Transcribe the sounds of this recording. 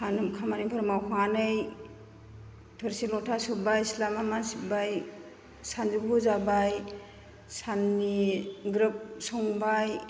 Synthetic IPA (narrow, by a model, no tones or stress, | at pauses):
sanɯmkʰamanipʰɔɾmawkʰanɯj | tʰɔɾsilɔtʰasubajslamamasibaj | sand͡ʒibuzabaj | sanːiɡɾɯp̚sɔŋbaj